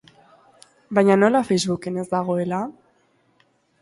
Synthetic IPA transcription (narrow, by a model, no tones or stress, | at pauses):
bajɲano̞lafejzβuke̞ne̞zd̪aɣ̞o̞e̞la